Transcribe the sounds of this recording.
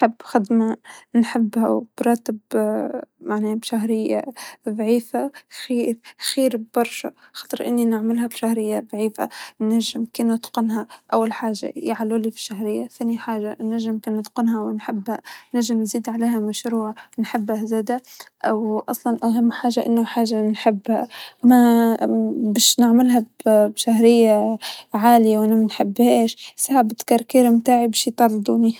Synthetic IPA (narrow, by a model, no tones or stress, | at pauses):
ħɪbːxad̪manħɪbːhawb̥ɾˤɑːt̪ɪb | maʕnibʃaɦɾɪjːa̰ðˤʕiːfaxiːɾxiːɾbɑɾˤʃa̰xɑːt̪ˤɨɾʔɪ̰nːinɪʕmɪlɦabʃahɾɪjːaðˤʕiːfa̰naʒːɪmkɪnɪt̪qɪnɦaʔawːalħaːʒa̰jɪʕaluːlifi̥ʃaɦɾɪjːaθaːniħaːʒanːaʒːɪmkɪnːɨt̪qɪnɦawɪnħɪbːhanaʒɪmnziːd̪ʕaleːhamaʃɾuːʕnħɪbːazad̪aʔawʔɑsˤlɑnʔaɦamːħaːʒaʔɪ̰nːʊħaːʒanħɪbːha̰ma | baːʃnɪʕmɪlɦabbʃaɦɾɪjːaʕaːlɪjawʔanamɪnħɪbːheːʃsahabɪt̪kɑɾˤkiːɾmt̪aːʕibaʃjt̪ˤɑrˤd̪ˤuːni